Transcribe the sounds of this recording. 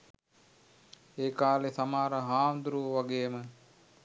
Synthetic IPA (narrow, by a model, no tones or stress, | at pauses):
eːkaːlesamaːɾəɦaːmd̪uɾuʋʋaɡeːmə